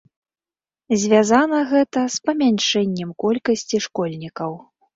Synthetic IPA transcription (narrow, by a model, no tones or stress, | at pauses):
zʲvʲazanɐɣɛt̪ɐspɐmʲanʲʂɛnʲːɛmkɔlʲkɐsʲt͡sʲiʂkɔlʲnʲikɐw